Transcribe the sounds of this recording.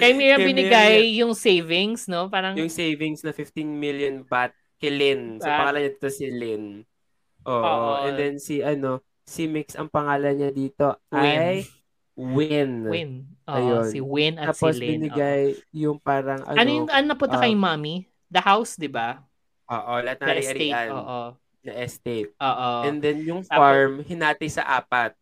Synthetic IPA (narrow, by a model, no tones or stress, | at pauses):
kɐjmiɹɐbɪnɪɡajːʊŋsejvɪŋsnopaːɾɐŋjʊŋsejvɪŋsnɐfɪft̪inmiljonbat̪̚kɛlɪnsɐpɐŋaːlɐɲad̪iːt̪osɪlɪn | ʔoːʔʔɛnd̪ɛnsiʔɐno̞ | simɪksɐ̰ŋpɐŋaːlɐnɲad̪iːt̪o̞ʔj | wɪnɪnɐjonwɪnaːposbɪnɪɡajːʊŋpaːɾɐŋʔɐ̰ɐnojʊŋɐnonɐpʊnt̪ɐkkɐjʊmami | d̪ɐhawsd̪ɪba | ʔoːʔolɐat̪nɐɐɾiʔɐɾiɐnʔoː | ɐʔɛst̪ejt̪̚oʔoʔɛnd̪ɛnjʊŋfaɹmhɪnaːt̪ɐjsɐ̰ʔaːpɐt̪̚